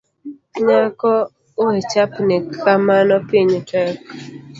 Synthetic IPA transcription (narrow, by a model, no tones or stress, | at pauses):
ɲakɔ | oet͡ʃapnekʰamanɔpiɲtɛk